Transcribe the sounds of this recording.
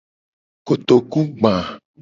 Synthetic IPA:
ko˨t̪o˨ku˦ɡ͡bã˨

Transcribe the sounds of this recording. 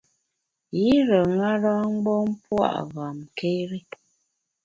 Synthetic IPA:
ji˦ɾə˨ŋa˦ɾa˦ŋ͡mɡ͡bɔ˦m˦pwa̰˦˨ʔɣa˨mke˦ɾi˦

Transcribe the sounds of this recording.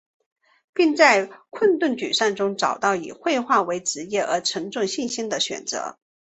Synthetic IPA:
pi˥˧ŋt͡sa˥˧ɪkʰwə˥˧nt̪wə˥˩nt͡ɕy̰˨˩ʂa˥˩ŋʈ͡ʂʊ˥ŋʈ͡ʂɑ˨˩ʊt̪ɑ˥˩ʊḭ˨˩xwe˥˧ɪxwa˥˩we˧˥ɪʈ͡ʂɻ̩˧˥jɛ˥˩ʔə˧˥ʈ͡ʂʰɤ˧˥ŋʈ͡ʂʊ˥˧ŋɕi˥˩nɕi˥nd̪ə˨ɕɥɛ̰˨˩nt͡sɤ̰˧˥

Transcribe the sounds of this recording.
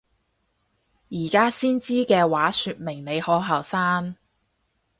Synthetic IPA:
jiː˨˩kaː˥siː˥nt͡siː˥kɛː˧waː˨˥syː˧t̚mɪ˨˩ŋne˨˧jhɔː˨˥ɦɐ˨˩wsaː˥n

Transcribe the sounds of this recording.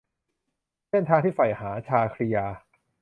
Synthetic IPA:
se˥˩nt̪ʰaː˧ŋt̪ʰiː˥˩fa˨˩jhaː˩˦t͡ɕʰaː˧kʰɾi˧jaː˧

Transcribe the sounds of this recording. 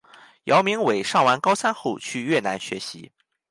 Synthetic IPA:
jɑ˧˥ʊmi˧˥ŋwe˨˩ɪʂɑ˥˩ŋwa˧˥nkɑ˥ʊsa˥nxo˥˧ʊt͡ɕʰy˥˧ɥɛ˥˩na˧˥nɕɥɛ̰˧˥ɕḭ˧˥

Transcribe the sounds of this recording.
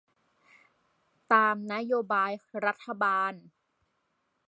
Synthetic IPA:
t̪aː˧mna˦˥joː˧baː˧jɾa˦˥t̪ʰːa˧baː˧n

